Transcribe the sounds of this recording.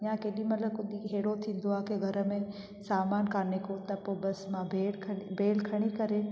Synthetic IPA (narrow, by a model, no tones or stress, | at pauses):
ɪjãkeːɗĩmɐt̪ləb̚kʊɗ̪iɦeːɽot̪ʰĩːn̆d̪oaːkeɡʱɐɾəmẽ | saːmaːnkaːɾnekot̪ɐpoːbɐsmãbʱeːlkʰbʱeːlkʰɐɽ̃ikɐɾe